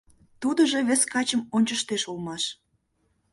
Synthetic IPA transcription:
t̪ud̪əʒeβĕskɑt͡ɕəmonʲt͡ɕəʃt̪eʃulmɑʃ

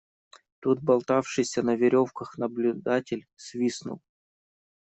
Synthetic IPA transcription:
t̪ut̪̚bɐlˠt̪afʂɨjsʲənəvʲɪɾʲo̞fkəxnəblʲʊd̪atʲɪlʲsvʲisnʊ̰lˠ

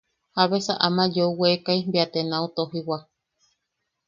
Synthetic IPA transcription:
haβesaʔamãd͡ʒouwekajmbiat̪enaut̪oɦiwa

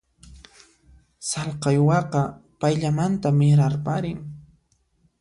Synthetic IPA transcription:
sɑlqɑjwɑqɑpajʎamant̪amɪɾaɾpaɾɪŋ

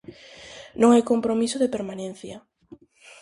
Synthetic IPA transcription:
nõŋajkompɾomisʊðepeɾmanẽn̟θjɐ

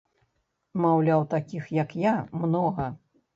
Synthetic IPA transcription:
mawlʲawt̪akʲixjɐkjamnɔɣɐ

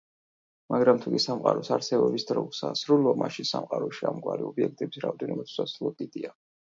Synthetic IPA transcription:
maɡɾamt̪ʰukʼisamqʼaɾɔsaɾsɛbɔbisd̪ɾɔɡsasɾulˠamʔaʃinsamqʼaɾɔʃiamɡwaɾiɔbiɛk̚ʰt̪ʼɛbisɾaɔvd̪ɛnɔbat̪ʰu̥sasɾulˠɔd̪id̪ia

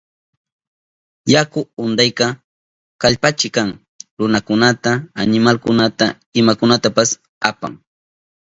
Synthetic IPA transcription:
jakʊʊnd̪ajkɑ | kaʎpat͡ʃɪkaŋ | ɾʊnakʊnat̪aːnɪmalkʊnat̪a | ɪmakʊnat̪apas | a̰pa̰ŋ

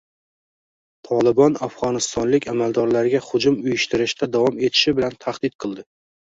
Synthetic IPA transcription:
t̪ʰɒlˠɪbɒnafʁɒnɪst̪ɒnlɪkʲʰamald̪ɒɾlaɾɪɡʲahʊd͡ʒʊmʊjɪʃt̪ɪɾɪʃt̪ʰad̪avɒme̞t̪ʰɪ̥ʃɪbɪlant̪ʰaχd̪̥ɪt̪̚qʰɨlˠd̪ɪ

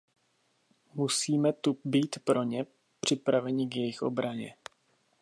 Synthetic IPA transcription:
musiːmɛt̪ubiːt̪pɾo̞ɲɛ | pr̝̥ɪpɾavɛɲɪɡjɛjɪxʔo̞̰bɾaɲɛ̰

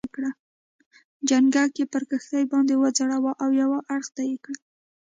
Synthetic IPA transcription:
kɽa | d͡ʒaŋɡakepəɾkəxt̪ajbɑnd̪ewəd͡zaɽawaʔawjawaʔaɽxd̪ajekɽa

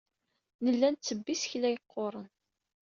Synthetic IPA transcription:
nəlːænt͡sːəbːisçlæjəqʰːoɾˤən

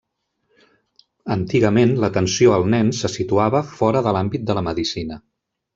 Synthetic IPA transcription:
ənt̪iɣəmenlət̪ənsioəlˠnɛnsəsit̪uaβəfɔɾəðəlambit̪̚d̪ələməðisinə

